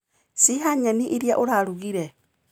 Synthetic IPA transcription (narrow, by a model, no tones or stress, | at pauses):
siɦaɲaniʔiɾjaʔoɾaɾuɣiɾe